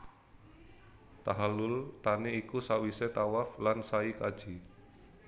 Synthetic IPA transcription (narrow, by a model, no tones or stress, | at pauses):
t̪aɦalʊlt̪aneikusawiset̪awaflansaikḁd͡ʒ̥i